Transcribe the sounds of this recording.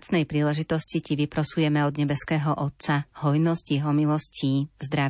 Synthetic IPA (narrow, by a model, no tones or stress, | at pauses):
t͡snɛjpɾiːlɛʒit̪ɔsciciʋipɾɔsujɛmɛɔd̪ɲɛbɛskɛːɦɔʔɔt̪sahɔjnɔzɟjɛɦɔmilɔsciːzd̪ɾa